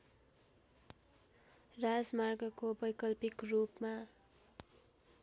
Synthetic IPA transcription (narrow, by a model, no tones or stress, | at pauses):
rad͡zmarɡʌkobʌjkʌlpikrupma